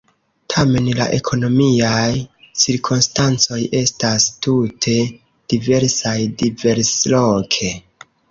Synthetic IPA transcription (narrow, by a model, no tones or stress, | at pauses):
tʰame̞nla̰ʔe̞kʰo̞no̞miajsiɾkʰunstant͡so̞je̞stastutʰe̞ | d̥ive̞ɾsajdive̞ɾslokʰe̞